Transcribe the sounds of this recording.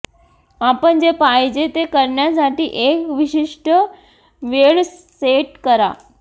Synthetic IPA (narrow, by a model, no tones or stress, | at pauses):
apəɳd͡ʑepajd͡ʑet̪ekəɾɳjas̬aʈiːʔekʋiɕiʂʈə | ʋeɭ | eʈkəɾa̰